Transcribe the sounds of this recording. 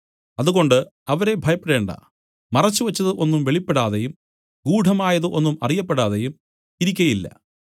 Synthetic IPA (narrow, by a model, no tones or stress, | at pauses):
ɐðuɣo̞ɳɖɨ | ɐʋɐɾe̞bʱɐjɐpːeɽe̞ːɳɖɐ̰ | mɐrɐt͡ɕːuʋɐt͡ɕːɐðɨʔo̞nːumʋe̞ɭipːeɽaːðejum | ɡuːɖʱɐmaːjɐðɨʔo̞nːumɐrijɐpːeɽaːðejum | iɾikʲːɐjilːɐ̰